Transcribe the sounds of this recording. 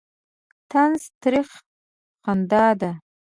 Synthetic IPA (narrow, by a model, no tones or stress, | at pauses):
tʰanstʰɾiχ | qʰandaːda